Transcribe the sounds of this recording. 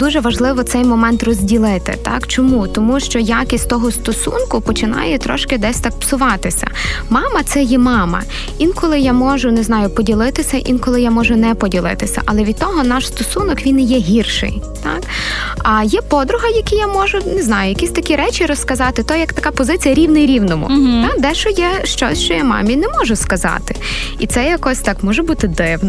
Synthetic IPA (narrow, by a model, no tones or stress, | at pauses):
d̪uʒɛʋɐʒlˠɪʋɔt̪sɛjmɔmɛnt̪rɔzʲdʲilˠɪt̪ɪ̰t̪ɑ̰kt͡ʃɔmut̪ɔmuʃt͡ʃɔjakʲisʲtʲt̪ɔɦɔst̪ɔsṵnkʊpɔt͡ʃɪnɑ̰jɛt̪ɾɔ̰ʃkɪd̪ɛsʲt̪ɑk̚psʊʋɑt̪ɪsʲɐ̰mɑmɐt̪sɛjɛmɑmɐ̰ | inkɔlˠɪjamɔʒʊneznɑjʊpɔdʲilˠɪt̪ɪsʲɐʔḭnkɔlˠɪjamɔʒʊnɛpɔdʲilˠɪ̰t̪ɪsʲɐ̰ʔɐlˠɛʋʲid̪̚t̪ɔɦɔnɑʃst̪ɔsunɔkʋʲinjɛɦʲirʃɪ̰jt̪ɑ̰kɐjɛpɔd̪ɾʊɦɐjɐkʲijamɔʒʊneznɑjʊjɐkʲisʲt̪ɐkʲiɾɛt͡ʃʲiɾɔskɐzɑt̪ɪt̪ɔjɐkt̪ɐkɑpɔzɪt͡sʲijɐɾʲiwnɪjɾʲiwnɔmʊ̰t̪ɑd̪ɛʃt͡ʃɔjɛʃt͡ʃɔ̰sʲʃt͡ʃɔjamɑ̰mʲinɛmɔʒʊskɐzɑ̰t̪ɪ | it̪sɛjɐkɔsʲt̪ɑkmɔʒɛbut̪ɪd̪ɪwnɔ